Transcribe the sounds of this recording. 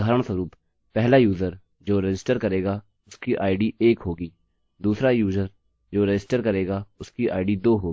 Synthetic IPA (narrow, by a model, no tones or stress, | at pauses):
ɡʱəːɾəɳ̃səɾuːp | pɛɦlajuːzəɾ | d͡ʒoːɾɪd͡ʒɪsʈəɾkəɾeːɡa | ʊskiʔaːɪɖiʔeːkɦoːɡiː | d̪uːsɾajuːzəɾ | d͡ʒoːɾɪd͡ʒɪsʈəɾkəɾeːɡaʊskiʔa̰ːɪɖid̪oːɦoːɡi